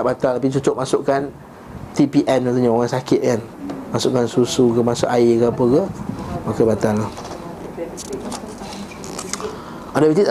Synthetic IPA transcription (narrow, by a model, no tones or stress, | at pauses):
ʔbat̪alabit͡ʃut͡ʃʊʔmasʊʔkan | t̪ipiʔɛnmat̪uɲaoŋansakɪt̪̚kan | masʊʔkansusukəmasʊ̰ʔaikəapəkəmakəbat̪alah | ɔdəbit̪is